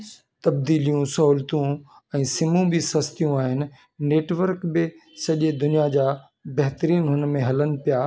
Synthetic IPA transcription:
t̪ɐb̚d̪iːlijũsɐɦuːlt̪ũ | ɛ̃ːsɪmũbɪsɐst̪ijũaːɦɪnɪ̆ | neːʈʋəɾkbɪsɐʄed̪ʊnijad͡ʑaː | bɐɦt̪əɾiːnɦʊnmẽɦɐlənɪ̆pijaː

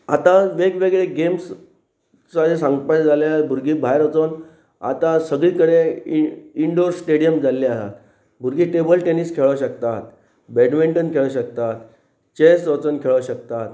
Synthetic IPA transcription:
a̰t̪aʋekʋeɡɭeɡems | t͡saesãŋɡpad͡zaljbʱuɾɡiːbʱajɾət͡son | a̰t̪asəɡɭiːkəɽe | iɳɖoɾsʈeɽijəmd͡zaliasa̰t̪ | bʱuɾɡiːʈebəlʈeniskʰeɭəɕəkt̪at̪ | beɖʋiɳʈənkʰeɭəɕək̚t̪at̪ | t͡ɕesɾət͡sənkʰeɭəɕək̚t̪at̪

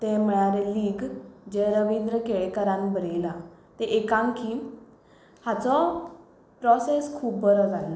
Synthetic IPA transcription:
t̪eməɭ̃aɾeliːɡd͡ʑeɾəʋĩnd̪ɾəkeɭekəɾãnbəɾelat̪eʔekãŋkiː | hat͡sɔ | pɾɔseskʰuːbːəɾɔd͡zala

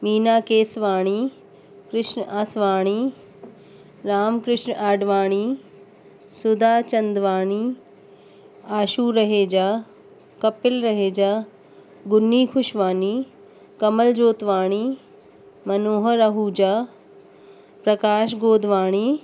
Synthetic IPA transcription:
miːnaːkeːsʋaːɽ̃iː | kɾɪʃnəʔaːsʋaːɽ̃iː | ɾaːmkɾɪʃnaːɖʋaːɽ̃iː | sʊd̪aːt͡ʃɐnd̪ʋaːɽ̃iː | aːʃuːɾɐɦeːd͡ʒaː | kɐpɪlɾɐɦeːd͡ʒaː | ɡʊnːiːkʰʊʃʋaːniː | kɐməld͡ʒoːt̪ʋaːɽ̃iː | mɐnoːɦəɾɐɦud͡ʒaː | pɾɐkaːʃɡoːd̪ʱʋaːɽ̃iː

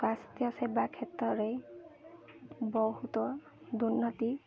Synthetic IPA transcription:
kast̪jɔsebakʰet̪ɹɔɾej | bɔɦut̪ɔ | d̪unːɔt̪i

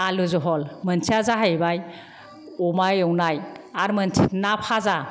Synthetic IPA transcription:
aluzɔɦɔlmənt͡ʃʰiazaɦajbaj | ɔmajɔwnajaɾməntʰinapʰaza

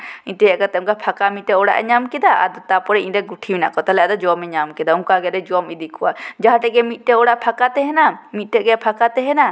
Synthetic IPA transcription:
inʈɛjɛʔkat̪ɛmkapʰakamit̪̚ʈɛɔɽa̰ʔɛɲamkɛd̪aa̰d̪ɔt̪apɔɾɛinɾɛɡuʈʰiwina̰ʔkɔt̪alɛad̪ɔd͡ʒɔɔmɛɲamkɛd̪auŋkaɡɛɾɛd͡ʒɔɔmid̪ikʰɔwad͡ʒaɦãʈɛʔɡɛmit̪̚ˀʈɛɔɽaʔpʰakat̪ɛɦɛnamit̪̚ˀʈɛʔɡɛpʰakat̪ɛɦɛna

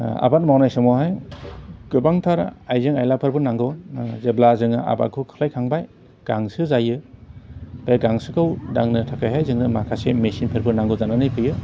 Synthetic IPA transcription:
a̰bat̚mawnajsɔmɔɦaj | ɡ̥ɯbaŋtʰaɾajzɯŋajlapʰɯɾbɯnaŋɡɯwzeblazɯŋaʔa̰ba̰t̚kʰɯkʰɯ̥lajkʰaŋbaj | ɡ̥aŋsɯzajɯ | baɡaŋsɯkʰɯwdaŋnɯtʰakʰajɦajzɯŋnɯmakʰasemesinpʰɯɾbɯnaŋɡɯzananɯjpʰɯjɯ

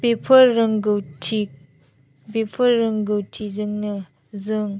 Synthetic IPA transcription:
bepʰɐːɯŋɡɯwtʰi | bepʰɐːɯŋɡɯwtʰizɯŋnɯ | zɯŋ

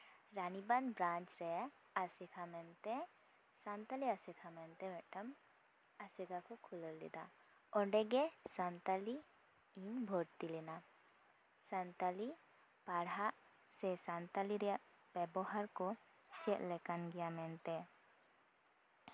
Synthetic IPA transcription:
ɾaniband̪bɾãnt͡ʃɾɛa | asɛkʰamɛnt̪ɛ | sant̪aliasɛkʰamɛnt̪ɛmɛʈəm | asɛɡakɔkʰulɔllḭd̪a̰ | ɔɖɛɡɛsant̪ali | iɲbʱɔɾt̪ilɛna | sant̪ali | paɽaʔ | sɛsant̪aliɾɛjaʔ | b̥ɛbɔɦaɾkɔ | t͡ʃɛʔ̪lɛkanɡɛjamɛnt̪ɛ

